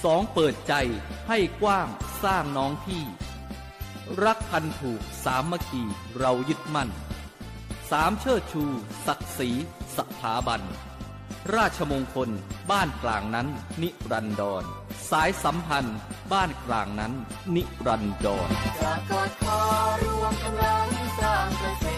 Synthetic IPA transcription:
sɔː˩˦ŋpɤː˨˩t̪̚t͡ɕa˧jha˥˩jkwaː˥˩ŋsaː˥˩ŋnɔː˦˥ŋt̪ʰiː˥˩ | ɾa˦˥k̚pʰa˧nt̪ʰuː˨˩k̚saː˩˦mːa˧˥kʰiː˧ | ɾa˧wjɯ˦˥t̪̚ma˥˩n | saː˩˦mt͡ɕʰɤː˥˩t̪̚t͡ɕʰuː˧sa˨˩k̚siː˩˦sa˨˩p̚t̪ʰːaː˩˦ba˧n | ɾaː˥˩t̪̚t͡ɕʰa˧moː˧ŋkʰo˧nbaː˥˩nklaː˨˩ŋna˦˥nːi˦˥ɾa˧ndɔː˧nsaː˩˦jsa˩˦mpʰa˧nbaː˥˩nklaː˨˩ŋna˦˥nː | i˦˥ʔɾa˧ndɔː˧na˧˩ka˨˩kʰɔː˧˦ɾu˦˥˧a˧˥taː˧ŋa˧˨˩

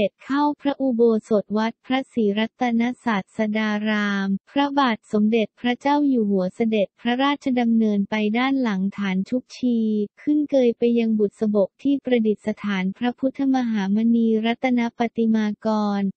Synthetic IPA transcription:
e˨˩t̪̚kʰa˥˩wpʰɾa˦˥ʔu˧boː˧so˨˩t̪̚wa˦˥t̪̚pʰɾa˦˥siː˩˦ɾa˦˥t̪ʰːa˧na˦˥saː˨˩t̪̚sa˧daː˧ɾaː˧mpʰɾa˦˥baː˨˩t̪̚so˩˦mde˨˩t̪̚pʰɾa˦˥t͡ɕaː˥˩wjuː˨˩hu˩˦ɐsa˧de˨˩t̪̚pʰɾa˦˥ɾaː˥˩t̪̚t͡ɕʰa˧da˧mnɤː˧npa˧jdaː˥˩nla˩˦ŋt̪ʰaː˩˦nt͡ɕʰu˦˥k̚t͡ɕʰiː˧kʰɯ˥˩nkɤː˧jpa˧jːa˧ŋbu˨˩t̪̚sa˧bo˨˩k̚t̪ʰiː˥˩pɾa˧di˨˩t̪̚sa˧t̪ʰaː˩˦npʰɾa˦˥pʰu˦˥t̪ʰːa˧ma˧ɦaː˩˦ma˧niː˧ɾa˦˥t̪ʰːa˧na˦˥pa˨˩t̪i˧maː˧kɔː˧n

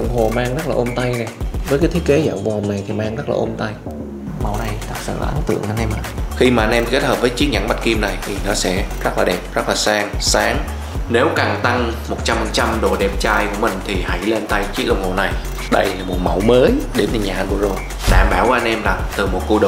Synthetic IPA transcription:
ə̰˧˨wŋ͡mɦo˨˩maː˧ŋzə˦˥laː˨ʔo˧mt̪a˧jna˨˩jvəː˨˦jkaː˨˦t̪ʰi˦˥ke˨˦za̰ː˧˩wvṵ˧˨˩hwna˨˩jt̪ʰi˨˩maː˧ŋzə˦˥t̚la̰ː˨˩ʔo˧mt̪a˧j | ma˨˩wna˨˩jt̪ə˦˥t̚sɨ̰˧˨˩ʔaː˨˦nt̪ɨ̰˧˨əŋʔa˧nʔɛ˧mʔa̰ː˧˩xi˧maː˨˩ʔa˧nʔɛ˧mke˦˥t̚həː˨˩p̚vəː˨˦jt͡ɕi˦˥k̚ɲa˧˩nɓa˦˥t̚ki˧mna˨˩jt̪ʰi˨˩nɔ˨˦sɛ̰˧˥zə˦˥t̚laː˨˩ɗɛ˨˩p̚ə˦˥laː˨˩saː˨˧ŋsaː˨˦ŋ | ne˨˦wkaː˨˩ŋt̪a˧ŋmo˨˩t̚t͡ɕa˧m˨˩t͡ɕa˧mɗo˨˩ɗɛ˨˩p̚t͡ɕaː˧jku˧˩əmï˨˩ŋ̟t̪ʰi˨˩ha˧˩jle˧nt̪a˧jt͡ɕi˦˥k̚ɗə̰˧˨wŋ͡mho˨˩na˨˩j | ɗə˧jlaː˨˩mo˨˩t̚ma˧˩wməː˨˦jɗe˨˦nt̪ɨ˨˩ɲaː˨˩ku˧˩əzo˨˩j | ɗa̰ː˧˩mɓaː˧˩wʔa˧nʔɛ˧mlaː˨˩t̪ɨ˨˩mo˨˩t̚ku˧ɗə˨

